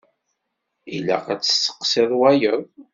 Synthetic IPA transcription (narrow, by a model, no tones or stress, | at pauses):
ilæ̰qæt͡sːə̥sːə̥qːsɪðˤwæjəðˤ